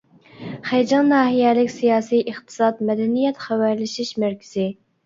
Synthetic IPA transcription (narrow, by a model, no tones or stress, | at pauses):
χæjd͡ʒɑnːɑːɦijɛlɪkʲsijɑːsijʔəχt̪ʰɨ̥sɑt̪mɛd̪ɛnijɛt̪χæwæɾlɪʃiʃmæɾkʲʰɪ̥zɪ